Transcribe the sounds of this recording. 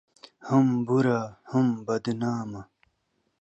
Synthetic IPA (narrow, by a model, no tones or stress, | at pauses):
hɐmbuɾaːhɐmbɐd̪naːmɐ